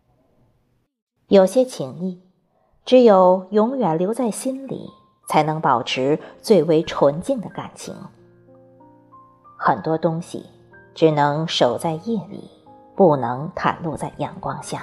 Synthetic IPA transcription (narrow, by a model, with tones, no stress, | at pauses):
jo˨˩ʊɕjɛ˥t͡ɕʰi˧˥ŋi˥˩ | ʈ͡ʂɻ̩˧˥jo˨˩ʊjʊ˧˥ŋjɥɛ˨˩nljo˧˥ʊt͡sa˥˩ɪɕi˥nlḭ˨˩ | t͡sʰa˧˥ɪnɤ˧˥ŋpɑ˨˩ʊʈ͡ʂʰɻ̩˧˥t͡swe˥˩ɪwe˧˥ɪʈ͡ʂʰwə˧˥nt͡ɕi˥˩ŋd̪ə˩ka̰˨˩nt͡ɕʰḭ˧˥ŋ | xə˨˩nt̪wɔ˥t̪ʊ˥ŋɕḭ˨˩ | ʈ͡ʂɻ̩˨˩nɤ˧˥ŋʂo˨˩ʊt͡sa˥˧ɪjɛ˥˩lḭ˨˩˦ | pu˥˩nɤ˧˥ŋt̪ʰa̰˨˩nlu˥˧t͡sa˥˩ɪjɑ̰˨˩ŋkwɑ˥ŋɕja̰˥˩